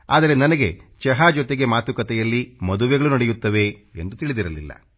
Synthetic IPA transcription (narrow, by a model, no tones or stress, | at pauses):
a̰ːd̪ɐɾe̞nɐnɐɡe̞t͡ʃɛɦaːd͡ʒɔt̪e̞ɡe̞maːt̪ukɐt̪ɛjɐlːimɐd̪uʋɛɡɐɭunɐɽɛjut̪ːɐʋe̞ḛnd̪ut̪iɭid̪iɾɐlḭlːɐ̰